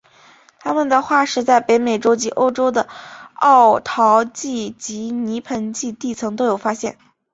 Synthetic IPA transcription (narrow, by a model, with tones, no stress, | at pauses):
t̪ʰa˥mə˨nd̪ə˩xwa˥˩ʂɻ̩˧˥t͡sa˥˩ɪpe˧˥ɪme˨˩ɪʈ͡ʂo˥ʊt͡ɕi˧˥ʔo˥ʊʈ͡ʂo˥ʊd̪ə˨˩ɑ˥˩ʊt̪ʰɑ˧˥ʊt͡ɕi˥˩t͡ɕi˧˥ni˧˥pʰə˧˥nt͡ɕi˥˧t̪i˥˩t͡sʰɤ˧˥ŋt̪o˥ʊjo˨˩ʊfa˥ɕjɛ˥˩n